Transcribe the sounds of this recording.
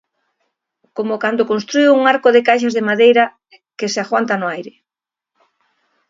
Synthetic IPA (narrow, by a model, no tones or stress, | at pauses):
komokand̪okonst̪ɾujuŋaɾkoðɪkajʃazðemaðejɾɐ | kɪseaxwant̪anʊajɾɪ